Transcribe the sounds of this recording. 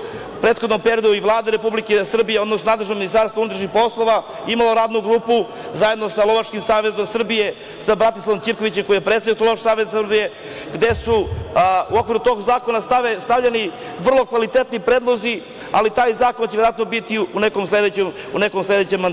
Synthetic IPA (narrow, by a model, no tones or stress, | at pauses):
pɾe̞ːt̪xod̪nompe̞ɾijod̪uiʋlˠaːd̪eɾepublike̞sr̩bijeod̪nosnonad̪leʒnominist̪aːɾst̪vaunut̪ɾaʃnixpo̞slˠo̞ʋa | imalo̞ɾaːd̪nuɡɾuːpu | zaje̞d̪no̞salo̞ʋat͡ʃkimsaːʋe̞zo̞msr̩bije̞ | sabɾat̪islaʋomiɾkoʋit͡ɕemkoijepɾet̪sajiot̪loʃsaːʋezsrbije̞ | ɡd̪e̞su | uo̞kvʋiɾut̪o̞ɡzaːko̞nasaest̪avʎeni | ʋr̩lˠo̞kʋalit̪e̞t̪nipɾeːd̪lˠo̞zi | alit̪aːjzaːko̞nt͡ɕeʋeɾoat̪nobit̪iunekomslˠed̪et͡ɕemune̞komsle̞d̪et͡ɕemːand̪